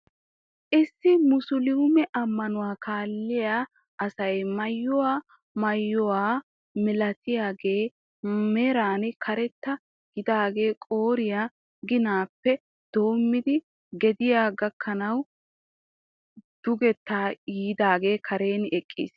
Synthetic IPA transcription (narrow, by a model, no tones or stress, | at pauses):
ʔɪsːɪmʊsʊlɪʊmɛʔɐmːɐnʊwaːkaːlːɪjaː | ʔɐsɐjmɐjːɔwaː | mɐjːɔwaː | mɪlɐt̪ɪjaːɡe̞ː | mɛɾaːnkʰɐɾɛt̪ːɐ | ɡɪd̪aːɡe̞ːkʼo̞ːɾɪja | ɡɪnaːpːɛ | d̪̥o̞ːmːɪd̪ɪ | ɡɛd̪ɪjaːɡɐkːɐnɐw | d̪̥ʊɡɛt̪ːaːjiːd̪aːɡe̞ːkʰɐɾe̞ːnɛkʼːḭːs